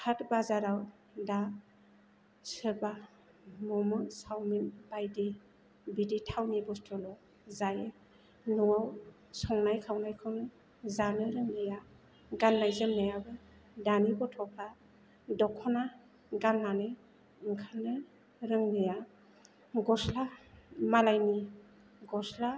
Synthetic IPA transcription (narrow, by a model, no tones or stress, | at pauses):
kʰatbazaɾaw | da | sɯba | mɔmɯsawminb̥ajdi | biditʰawnibɔstʰɔlɔ | zaj | nɔwaw | sɔŋnajkʰawnajkʰɯwnɯ | zanɯɾɯŋnɯja | ɡanːajzɯmnajabɯ | danibɔtʰɔpʰa | dɔkʰɔna | ɡanːanɯ | ɯŋkʰanɯ | ɾɯŋnɯja | ɡɔslamalajni | ɡɔsla